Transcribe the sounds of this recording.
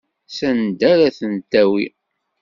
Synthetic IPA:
sænd̪æɾæθənt̪æwi

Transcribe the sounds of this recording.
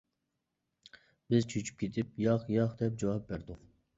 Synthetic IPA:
bɪzt͡ʃʰøt͡ʃʰy̥p̚kʲʰet̪ʰɪp̚jɑχjɑχd̪ɛp̚d͡ʒɑwɑp̚bæɾd̪u

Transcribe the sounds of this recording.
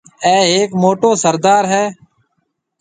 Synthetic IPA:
ɛːeːkmoːʈoːsəɾd̪aːɾɦɛː

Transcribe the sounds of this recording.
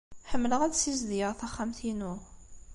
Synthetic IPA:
ħəmːləʁædsizðiəʁθæχːæmθinu

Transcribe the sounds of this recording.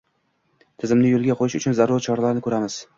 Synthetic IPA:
t̪ʰɪzɪmnɪjolˠɡʲaqʰojɪʃʊt͡ʃʰʊnzaɾuɾt͡ʃʰɒɾalaɾnɪkʰɵɾamɪz̥

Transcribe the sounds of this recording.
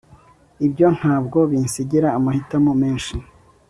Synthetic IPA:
ibjo̞n̥haːbɡo̞βinsiɟiɾaːmahitamomeːnʃi

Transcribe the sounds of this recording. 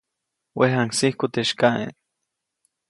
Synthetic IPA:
weɦaŋsihkut̪eʃkaʔḛn

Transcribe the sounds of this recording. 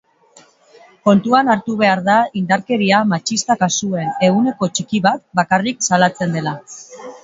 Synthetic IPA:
ko̞nt̪uanaɾt̪uβ̞e̞aɾðaind̪aɾke̞ɾiamat͡ʃist̪akasue̞ne̞ɣune̞ko̞t͡ʃikiβat̪̚bakariksalat͡se̞nd̪e̞la

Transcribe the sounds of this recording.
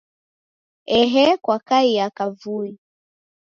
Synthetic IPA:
ɛɦɛkwakaiakavui

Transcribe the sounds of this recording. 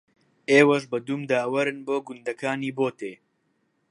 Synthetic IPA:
eːwɐʃbɐd̪umd̪aːwɐɾɨnboːɡund̪ɐkaːniːboːt̪eː

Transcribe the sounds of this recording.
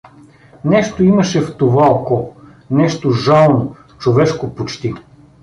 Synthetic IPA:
nɛʃt̪oimɐʃɛft̪ovaokɔ | nɛʃt̪oʒalˠno | t͡ʃovɛʃkopot͡ʃt̪i

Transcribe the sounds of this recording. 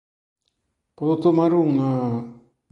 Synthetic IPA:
polot̪omaɾuŋna

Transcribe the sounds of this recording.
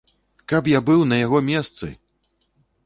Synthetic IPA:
kapjabɨwnɐjaɣɔmʲɛst̪sɨ̰

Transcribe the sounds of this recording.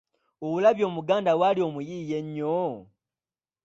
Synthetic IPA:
oβulaβjo̞ːmuɡaːndawalio̞ːmujiːjeɲːo

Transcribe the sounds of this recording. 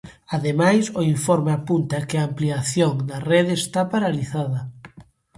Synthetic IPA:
aðemajsʊiɱfɔɾmeapunt̪ɐkɪaːmpliaθjoŋd̪ɐreðeːst̪apaɾaliθaðɐ

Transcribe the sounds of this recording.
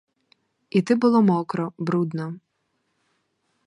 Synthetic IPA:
it̪ɪbʊlˠɔmɔkɾɔbɾud̪nɔ

